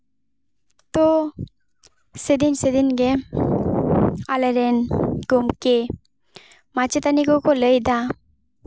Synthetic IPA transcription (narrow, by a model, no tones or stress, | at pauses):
t̪o | sed̪insed̪inɡe | aleɾenɡomke | mat͡ʃet̪anikɔkɔləjd̪a